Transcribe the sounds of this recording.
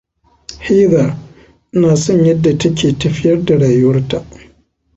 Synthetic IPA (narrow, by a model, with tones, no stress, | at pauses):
hi˦ða˨ | naː˨sɔ˦ɲjɐ˦dːa˨tɐ˦kʲeː˨tɐ˨ɸɪ˦jɐ˦rda˨ɽaː˨jɐ˦rta˨ʔ